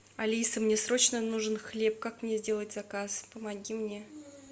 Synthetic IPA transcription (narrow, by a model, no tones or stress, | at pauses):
ɐlʲisəmnʲesɾo̞t͡ɕnənuʐɨnxlʲe̞p̚kakmnʲezʲdʲe̞lˠətʲz̥ɐkaspəmɐɡʲimnʲe̞